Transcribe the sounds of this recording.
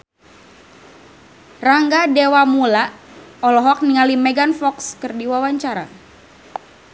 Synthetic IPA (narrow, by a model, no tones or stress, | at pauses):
raŋɡadewamulaɔlɔɦɔk̚niŋalimeɡanfɔkskərdiwawaɲt͡ʃaɾa̰